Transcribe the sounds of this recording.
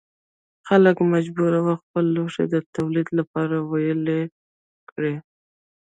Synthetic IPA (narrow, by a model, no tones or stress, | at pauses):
xaləkmad͡ʒbuɾawaxpəlːoʂḛd̪ət̪awlid̪lapɑɾawajəle | kɽe